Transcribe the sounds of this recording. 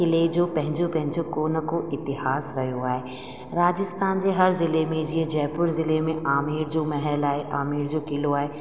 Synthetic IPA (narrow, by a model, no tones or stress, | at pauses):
ɪled͡ʒoːpɛ̃ɦɪ̃ɲd͡ʒopɛ̃ɦɪ̃d͡ʒokoːnəkoʔɪt̪ɪhaːsɾɐɦjoaːɦe | ɾaːd͡ʒɪst̪ʰaːnzeɦɐɾzɪlemẽd͡ʒied͡ʒɛːpʊɾzɪlemẽʔaːmiːɾd͡ʒoːmɛɦɛlaːeʔaːmiːɾd͡ʒoːkɪloaːe